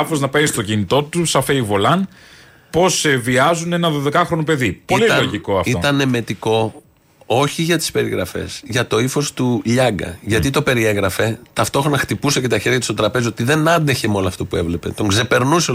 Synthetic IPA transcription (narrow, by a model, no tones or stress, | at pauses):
ɐfoznɐpe̞nist̪o̞cinit̪o̞t̪usɐfeivo̞lɐn | po̞seviɐzunenɐðoðe̞kɐxɾonope̞ðipoliɐloʝiko̞ɐftiot̪ɐne̞me̞t̪iko̞ | oçiʝɐt̪i̥spe̞ɾiɣɾɐfe̞̰sʝɐt̪o̞ifo̞st̪uʎɐɡɐ̰ʝɐt̪it̪o̞pe̞ɾie̞ɣɾɐfe̞t̪ɐft̪o̞xɾonɐxt̪ipuse̞ce̞t̪ɐçe̞ɾʝɐt̪ust̪ot̪ɾɐpe̞zio̞t̪iðe̞nɐnd̪eçe̞mo̞nloɐft̪o̞pue̞vle̞pe̞̰t̪o̞ŋɡze̞pe̞ɾnuse